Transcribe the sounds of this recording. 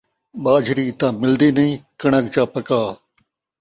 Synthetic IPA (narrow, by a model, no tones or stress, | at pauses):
ɓaːd͡ʒʱɾiːt̪ãːmɪld̪iːnɐĩːkɐɳəkt͡ʃãːpɐkaː